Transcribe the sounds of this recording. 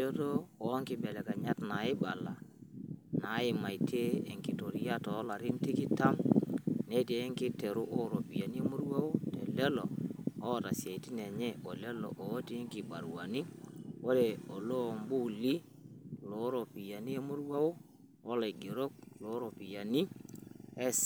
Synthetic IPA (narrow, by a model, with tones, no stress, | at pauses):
o˦to˦ɔ˨˦ŋkɪ˨bɛ˨lɛ˨ka˨ɲa˦tna˨ɪ˦ɓa˨la̰˨ | na˨˦ɪ˦˨ma˨jtʰeː˦˨ŋkɪ˨to˨ɾi˦ja˦to˨˦la˨ɾɪ˦n˦ti˦kɪ˦ta˦mne˦te˦ŋkɪ˦te˨ɾu˦ʔo˦ɾo˨pi˨ja˨ni˦e˦mʊ˦ɾwa˦wo˦tɛ̰˨lɛ˦lɔ̰˨ɔ˦˨ta˨sje˨ti˦nɛ˨ɲɛ˦ʔo˨lɛ˦lɔ̰˨ʔo˨˦ti˦ŋki˨ba˨ɾwa˨ni˦wo˦ɾe˨o˨lo˦˨mbu˦li˦ | lo˨˦ɾo˨pi˨ja˨ni˦e˦mʊ˦ɾwa˦o˦ | wɔ˦la˨i˨ɡe˨ɾo˦k̚lo˨˦ɾo˨pi˨ja˨ni˦ | ɛ˦